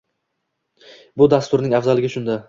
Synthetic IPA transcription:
bʊd̪ast̪ʊɾnɪŋafzalɪɡʲɪʃʊnd̪a

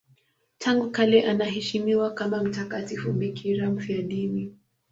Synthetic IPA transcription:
tʰaŋɡukalɛʔanaɦɛʃimiwakamam̩takatifuɓikʰiɾam̩fiaɗini

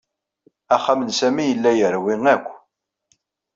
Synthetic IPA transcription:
æχæmənsæmijəlːæjəɾwiŋækʷː

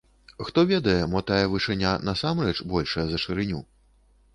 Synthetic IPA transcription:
xt̪ɔvʲɛd̪ɐjɛmɔt̪ajɛvɨʂɨnʲanɐsamrɛt͡ʂbɔlʲʂɐjɐzɐʂɨɾɨnʲu

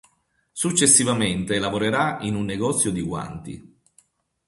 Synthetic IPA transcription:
sut͡ʃːesːivament̪elavoɾeɾainunːeɡɔt̪sːjod̪iɡwa̰nt̪ḭ

